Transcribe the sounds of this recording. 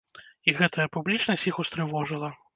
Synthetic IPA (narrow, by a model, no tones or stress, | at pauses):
iɣɛt̪ʰɐjɐpublʲit͡ʂnɐsʲixust̪ɾɨvɔʐɨlˠɐ